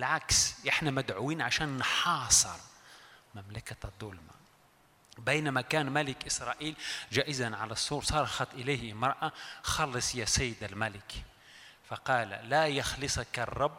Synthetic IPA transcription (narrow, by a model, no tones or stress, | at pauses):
bɪlʕaksʔɪħnamad̪ʕʊwiːnʕaʃaːnːħɑːsˤɨ̰ɾˤmamlakad̪ˤːʊlma̰ | bejnamakaːnmalɪkʔɪsɾˤɑʔiːlʒaːʔɪzanʕalasˤːuːɾsˤɑːɾˤʔxɑt̪ˤʔɪlajhmɑɾˤʔaxɑlːɨsˤjasajːɪd̪almalɪk | fɑqɑːla̰lajɑxlɨsˤɑkɑrˤːɑbː